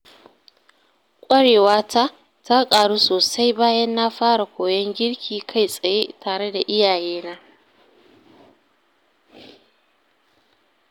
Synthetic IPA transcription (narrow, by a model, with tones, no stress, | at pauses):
kʷʼɐ˦ɽeː˨waː˦ta˦ | ta˦kʼaː˨ɽuː˦soː˨sa˦jbaː˦jɐ˦nːa˦ɸaː˦ɽa˨kʷoː˨jɔ˦ŋɡʲɪ˦ɽkʲʰiː˨kʰa˦jsʼɐ˨jeː˦tʰaː˨ɽe˦da˨ʔɪ˦jaː˨jeː˦naː˦